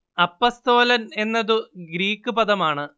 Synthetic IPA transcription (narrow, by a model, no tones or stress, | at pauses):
ɐpːɐst̪o̞ːlɐne̞nːɐðuɡɾiːkːɨpɐðɐmaːɳɨ